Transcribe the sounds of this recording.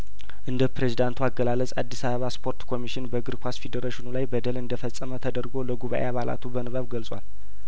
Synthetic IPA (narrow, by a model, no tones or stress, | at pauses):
ʔɨnd̪əpɾe̞zid̪ant̪ʰuaɡəlaləsʼad̪ːisaβəβaspʰo̞ɾt̪kʰo̞miʃɪnbəɡɨɾkʷʰasfed̪eɾeʃɪnulajbəd̪əlɨnd̪əfəsʼəmət̪ʰəd̪əɾɡo̞ləɡuβa̰ʔeaβala̰t̪ʰubənɨβəβɡəlsʼwa̰l